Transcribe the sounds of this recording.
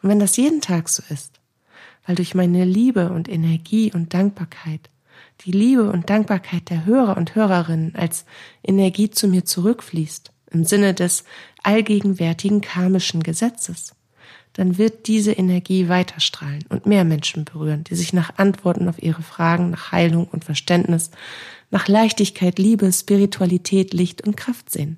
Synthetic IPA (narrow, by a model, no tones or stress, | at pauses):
ʔʊntv̥ɛndasjeːdn̩tʰaːkz̥oːɪst | vaɪldʊɐçmaɪnəliːbəʊntʔenɛɐɡiːʔʊnt̚d̥aŋk̚b̥aɐkʰaɪt | d̥iːliːbəʊ̰nt̚d̥aŋk̚b̥aɐkʰaɪt̚d̥eːɐɦøːʁ̞ɐʊnthøːʁ̞ɐʁɪnənʔa̰lsʔenɛɐɡiːt͡sumiːɐt͡suʁʏkfliːst | ʔɪmzɪnədɛsʔalɡeːɡŋ̩vɛɐtʰɪɡŋ̩kʰaɐmɪʃn̩ɡəzɛt͡səs | d̥anvɪɐt̚d̥iːzəʔenɛɐɡiːvaɪtʰɐʃtʁ̥aːlənʔʊ̰ntmeːɐmɛnʃn̩bəʁyːʁənd̥iːzɪçnaːχʔantv̥ɔɐtn̩aʊfʔiːʁəfʁ̥aːɡŋ̩naːχha̰ɪlʊŋʊ̰ntfɛɐʃtɛndnɪsnaːχlaɪçtɪçkʰaɪtliːbəʃpiʁitʰualitʰɛːtlɪçtʊnt̚kʁ̥aftz̥ḛːən